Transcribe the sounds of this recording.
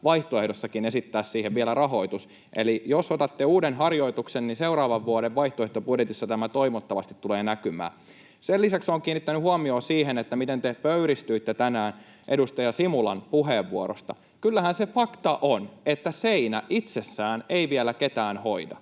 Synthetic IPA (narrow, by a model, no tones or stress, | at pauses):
ʋɑiht̪oehdosːɑkinesit̪ːæːssiːheʋʋielærɑɦo̞it̪us | ʔḛlijosot̪ɑt̪ːeuːdenɦɑrjo̞it̪uksenninseurɑːʋɑʋːuoɾeʋʋɑiht̪oeht̪obudjet̪isːɑt̪æmæt̪oimot̪ːɑʋɑst̪it̪tːuleːnækymæ̰ː | selːisæksoːŋkiːnːit̪ːænyhuɑmio̞ːsiːɦenet̪ːæmit̪ent̪epøyɾist̪yit̪ːet̪ænæːn | ʔedust̪ɑjɑsimulɑnpuɦeːʋːuoɾo̰st̪ɑ | kylːæhænsefɑkt̪ɑʔonet̪ːæseinæʔit̪sesːæːneiʋielæket̪æːnhoidɑ̰